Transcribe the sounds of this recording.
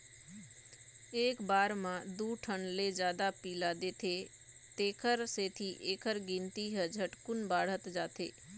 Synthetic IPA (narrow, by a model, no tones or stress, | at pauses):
eːkbaːɾmãd̪uːʈʰənled͡ʒjaːd̪apiːlad̪eːt̪ʰe | t̪eːkʰəɾseːt̪ʰiʔeːkʰəɾɡɪ̃nt̪iɦəd͡ʒʱəʈkʊnbaːɽ̤ət̪d͡ʒaːt̪ʰḛː